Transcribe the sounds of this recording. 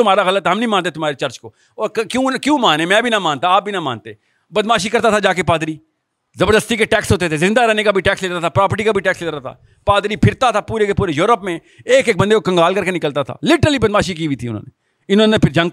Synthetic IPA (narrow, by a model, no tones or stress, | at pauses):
ʊmaːɾaɣɐlət̪ɛɦɐmnĩmãːnt̪et̪ʊmɦaːɾet͡ʃɐɾt͡ʃko | ɔːɾkkjũkjũːmaːnẽmɛ̃ːbʱinamãːnt̪aaːp̚bʱinama̰ːnt̪e | bɐd̪maːʃikɐɾt̪at̪ʰad͡ʒaːkepaːd̪ɾiː | zɐbəɾd̪əst̪ikeʈɛːksɦoːt̪̬et̪ʰezɪ̃nd̪aɾɛɦnekabʱiʈɛːksleːt̪at̪ʰapɾaːpəɾʈikabʱiʈɛːksleːt̪ɾat̪ʰa̰ː | paːd̪ɾipʰɪɾt̪at̪ʰapuːɾekepuːɾejoːɾəpmẽ | eːkeːk̚bɐ̃nd̪ekokɐ̃ŋɡaːlkɐɾkenɪkəlt̪at̪ʰa̰ːlɪʈəɾəlibɐd̪maːʃik̬iːbʱit̪ʰiʊ̰n̤ɦo̰ːne | ɪnõnẽpʰɪɾd͡ʒɐ̃ŋ